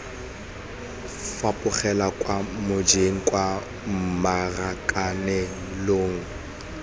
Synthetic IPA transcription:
fapʼʊχɛlakʼwamʊd͡ʒeŋ̩kʼwa | m̩marakʼanɛ | loːŋ̩

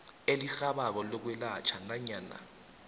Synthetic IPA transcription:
elixaɓak̬ɔlɔk̬wɛlat͡ʃʰanaɲaːna̰

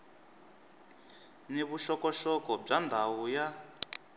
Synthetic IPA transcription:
neβuʃɔkɔʃɔkɔb͡ʐandʱawuja

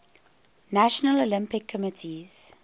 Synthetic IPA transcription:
næʃənəlolɪ̃mpɪkʰːɔmɪtʰiz̥

